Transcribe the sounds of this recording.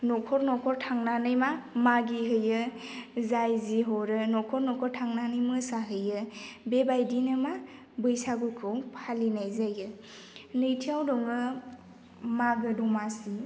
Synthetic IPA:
nɔkʰɔɾnɔkʰɔɾtʰaŋnanɯjmamaɡiɦɯjɯzajziɦɔɾɯnɔkʰɔɾnɔkʰɔɾtʰaŋnanɯjmɯsaɦɯjɯbebajdinɯma | bɯjsaɡukʰɯwpʰalinajzajɯ | nɯjtʰijawdɔŋɯ | maɡɯdɔmasi

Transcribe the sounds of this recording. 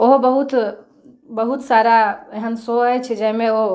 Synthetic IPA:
oɦbəɦut̪ | bəɦut̪saːɾaeɦənsoɦɛt͡ʃʰɛd͡ʒɛɦmẽo

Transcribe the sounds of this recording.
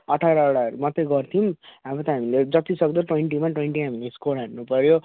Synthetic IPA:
ʌʈʰaɾaːɽaɾumʌt̪eɡʌrt̪ʰimabʌt̪ʌɦamiled͡zʌt̪isʌɡ̚d̪oʈweɳʈimaʈweɳʈiɦamileskolɦarnupʌɾjo

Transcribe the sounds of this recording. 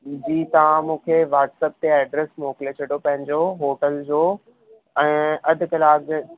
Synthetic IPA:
d͡ʑiːt̪ɐʋ̤ãmũːkʰeʋaːʈseːp̚t̪eeːɖɾesmoːkɪlet͡ɕʰɐɽjopɐ̃ɦɪ̃ɲd͡ʑoɦoːʈəld͡ʑoː | ɛ̃ːɐd̪ʱʊkɐlaːɡ

